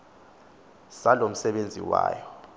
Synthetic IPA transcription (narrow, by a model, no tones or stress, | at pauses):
salom̩sɛɓend͡zʱḭwa̰ːjɔ